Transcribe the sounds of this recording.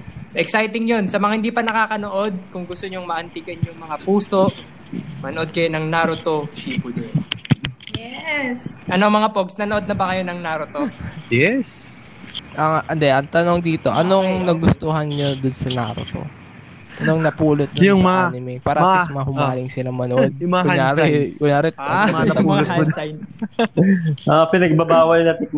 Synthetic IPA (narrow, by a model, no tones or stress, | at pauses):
sɐʔɛksajt̪ɪŋjo̞nsɐmɐŋahɪnd̪iːpɐnɐkaːkɐno̞ʔo̞d̪̚kʊŋɡʊst̪oɲoŋmɐʔɐnt̪iɡɐnjʊŋmɐŋapuːso̞ʔ | mɐnoʔod̪̚kɐjonɐŋnaɾot̪o̞t͡ʃiːpoɲo | jɛsʔɐnoŋmɐŋapoɡsnɐnoo̞d̪̚nɐbɐkɐjo̞nɐŋnaɾot̪ojɛs | ʔɐŋʔɐnd̪ɛʔɐŋt̪ɐnoŋd̪iːt̪o̞ʔɐnoŋnɐɡʊst̪oɦɐnɲod̪ʊnsɐna̰ɾo̰t̪o̰ | ʔɐnoŋnɐpuːlot̪̚nɐjʊnɪmɛpaːɾɐt̪ɐsmɐahʊmaːlɪŋsɪlɐŋmɐnoʔod̪̚kʊɲaːɾɛkʊɲaːɾɛt̪ɐɐɐajn | ɐpɪnɐɡ̚bɐbaːwɐjnɐt̪ɪk̚